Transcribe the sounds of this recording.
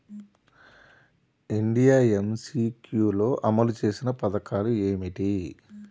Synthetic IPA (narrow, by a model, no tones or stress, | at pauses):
iɳɖijaːemsiːkjuːlo̞ːʔɐmɐlut͡ʃe̞ːsinɐpɐd̪ɐkaːlue̞ːmiʈi